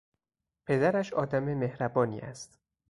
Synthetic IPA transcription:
pʰe̞d̪æɾæʃɒːd̪æmeme̞hɾæbɒːnḭːæ̰st̪

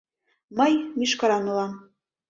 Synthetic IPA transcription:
mɤjmʲiʃkɑɾɑnulˠɑm

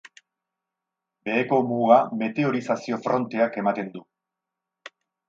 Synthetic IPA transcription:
be̞ːko̞muɣame̞t̪e̞o̞ɾisasio̞fɾo̞nt̪e̞ake̞mat̪e̞nd̪u

